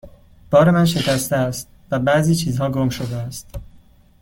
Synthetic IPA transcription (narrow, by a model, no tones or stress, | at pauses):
b̥ɒːɾe̞mænʃe̞cʰæst̪eæst̪̚ | væbæziːt͡ʃʰiːzhɒːɡomʃo̞d̪eæst̪